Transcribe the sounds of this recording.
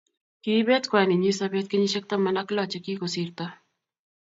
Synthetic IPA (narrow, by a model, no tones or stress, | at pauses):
kiβet̪kwaniɲisabet̪̚kɪɲiʃɛk̚t̪amanaklat͡ʃekikosiɾt̪a